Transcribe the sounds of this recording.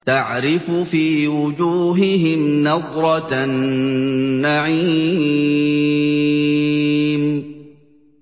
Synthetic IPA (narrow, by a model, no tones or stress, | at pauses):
t̪aʕɾɪfʊfiːwʊd͡ʒuːɦɪɦɪmnɑd̪ˤɾˤɑt̪nː | aʕiː | m